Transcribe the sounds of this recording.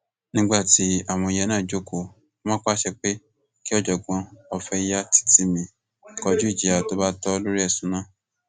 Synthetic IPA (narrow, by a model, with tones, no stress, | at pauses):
nĩ˦ɡ͡ba˦˨ti˨˦a˦˨w̃ɔ̃˧i˧jɛ˧nãː˦˨d͡ʒo˨˦ko˧˨ | mã˦k͡pa˦ʃɛ˧k͡pe˦ | ki˦ɔ˦d͡ʒɔ˨ɡɔ̃˨˦ɔ˧fɛ˧˦ja˦ti̥˦ti˨˦mĩ˧ | kɔ˧d͡ʒu˦i˦˨d͡ʒi˨a˨to˦ba˦tɔ˦˧lo˦ɾi˦ɛ˦˨sũ˨˦nã˦˨